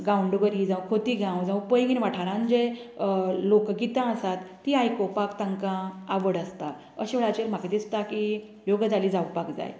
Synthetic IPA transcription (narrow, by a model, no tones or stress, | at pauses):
ɡãwuɳɖuʋəɾid͡zãwkʰot̪iːɡãwd͡zãʋupəjɡinʋaʈʰaɾãnd͡ʑe | lokɡit̪ãəsat̪ːiajkopakt̪əŋkãaʋəɽəst̪a | əɕiʋɭat͡ɕeɾm̤aked̪ist̪aki | joɡd͡zaliːd͡zaʋupakd͡za̰j